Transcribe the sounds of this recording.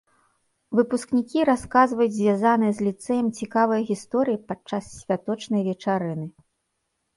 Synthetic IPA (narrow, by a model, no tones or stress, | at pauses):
vɨpusknʲikʲiɾaskazvɐjud͡zʲzʲvʲazanɨjɛzʲlʲit̪sɛjɛmt͡sʲikavɐjɣʲist̪ɔɾɨjipat͡ʂassʲvʲat̪ɔt͡ʂnɐjvʲɛt͡ʂaɾɨnɨ